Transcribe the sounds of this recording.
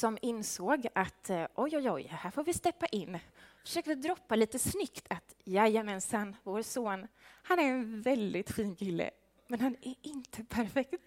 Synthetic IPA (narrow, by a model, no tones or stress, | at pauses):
sɔmɪnsoːɡat̪ʔɔjɔjɔjhæːɾfoːɾvɪst̪ɛpːaʔɪnːfœ̥ʂøːk̚t̪əd̪ɾɔpːaliːt̪əsnʏkt̪ʰat̪jajamɛnsanːvoːɾsoːnhanæɾɛnvɛld̪ɪt̪ɧiːnkʰɪlːə̰ | mɛnhanæɪnt̪ʰəpʰæɾfɛkt̪